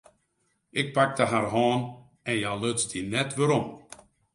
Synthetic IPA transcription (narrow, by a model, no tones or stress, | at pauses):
ʔɪk̚pak̚dəɦarɦaːn | ɛnjaløtzdinɛtʋəɾɔm